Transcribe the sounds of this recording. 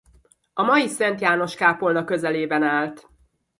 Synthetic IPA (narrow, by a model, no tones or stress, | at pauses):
ɒmɒjisɛnt̪jaːno̞ʃkaːpo̞lnɒkøzɛleːbɛnaːlt̪